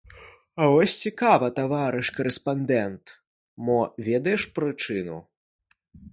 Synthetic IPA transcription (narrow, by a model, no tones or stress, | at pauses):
ɐvɔsʲt͡sʲikavɐt̪avaɾɨʂkɐɾɛspand̪ɛnt̪ | mɔvʲɛd̪ɐjɛʂpɾɨt͡ʂɨnṵ